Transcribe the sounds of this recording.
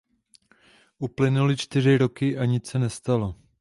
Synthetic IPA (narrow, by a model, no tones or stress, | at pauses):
ʔuplɪnulɪt͡ʃt̪ɪr̝ɪɾo̞kɪʔaɲɪt͡sɛnɛst̪alo